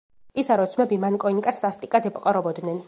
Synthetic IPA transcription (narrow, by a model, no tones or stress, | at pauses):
isaɾɔt̪sʰmɛbimankʼɔinikʼasːast̪ʼikʼad̪ɛpʼɔqʼɔɾɔbɔd̪nɛn